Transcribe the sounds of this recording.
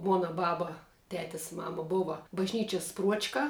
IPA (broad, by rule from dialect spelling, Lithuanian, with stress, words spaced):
ˈmuɔnɐ ˈbɑːbɐ ˈtʲæːtʲɛs ˈmɑːmɐ ˈboːʋɐ bɐʒʲˈnʲiːt͡ʃʲɛs ˈpruɔt͡ʃkɐ